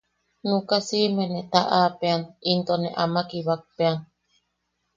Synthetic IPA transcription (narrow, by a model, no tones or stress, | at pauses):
nũkasimenet̪aʔaːpeanint̪oneʔamakiβak̚pean